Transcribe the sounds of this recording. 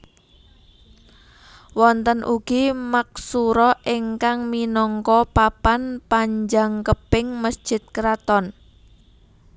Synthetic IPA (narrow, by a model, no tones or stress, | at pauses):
wɔnt̪ənʔuɡ̥imak̚suɾɔʔiŋkaŋminɔŋkɔpapanpaɲd͡ʒaŋkəpɪŋməsd̥d͡ʒ̥ɪ̤t̪̚kɾat̪ɔn